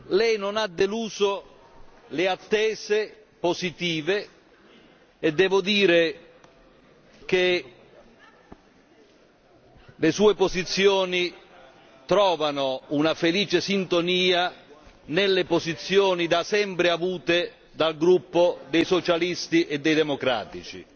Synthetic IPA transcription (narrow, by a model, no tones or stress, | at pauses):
lɛjnʊnad̪ːeluːzo | lɪat̪ːɛːze | pozit̪iːve | ɛd̪ːɛːvʊd̪iːɾe | k̟e | lesuːepozit̪sːjoːni | t̪ɾɔːvanounafeliːt͡ʃesint̪oniːa | nelːepozit̪sːjɔːnid̪asɛmpɾɪavuːt̪e | d̪alɡɾupːod̪ejsot͡ʃalist̪iʔɛd̪ːɛjd̪ɛmokɾa̰ːt̪it͡ʃḭ